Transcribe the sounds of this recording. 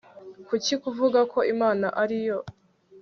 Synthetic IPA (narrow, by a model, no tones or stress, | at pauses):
kucikuvuɡakʰo̞ʔimaːnaʔaɾijo̞